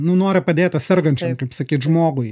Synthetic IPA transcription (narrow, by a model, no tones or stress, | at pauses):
nʊnoːɾʲɪpɐd̪ʲeːt̪ʲɐtʲsʲɛrɡɐnʲt͡ʃʲɛmkɐɪpsɐkʲiːt̪ʒmoːɡʊɪ